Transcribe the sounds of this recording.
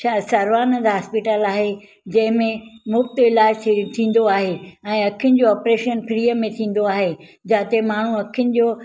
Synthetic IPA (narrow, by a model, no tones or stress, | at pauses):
aːsɐɾʋaːnəd̪ɦɦaːspɪʈəlaːɦe | d͡ʑɐ̃ɦɪ̃mẽmʊbt̪ɪlaːd͡ʑt̪ʰt̪ʰĩːn̆d̪oaːɦeɛ̃ːɐkʰijʊnɪ̆d͡ʑoɔːpɾeːʃənpɾiːəmẽt̪ʰĩːn̆d̪oaːɦe | d͡ʑaːt̪emaːɳ̤ũɐkʰijʊnɪ̆d͡ʑoː